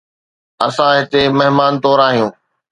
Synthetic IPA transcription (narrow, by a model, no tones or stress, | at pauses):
ɐsãɦɪt̪emɐɦɪmaːnt̪ɔːɾaːɦijũː